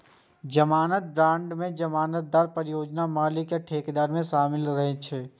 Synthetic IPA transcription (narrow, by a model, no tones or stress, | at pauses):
d͡ʒəmaːnət̪̚bɾãːɳɖmẽd͡ʒəmaːnət̪̚d̪aːɾpəɾɪjoːd͡ʒnamaːlɪkeʈʰeːkd̪aːɾmẽʃaːmɪlɾəɦet͡ʃʰeː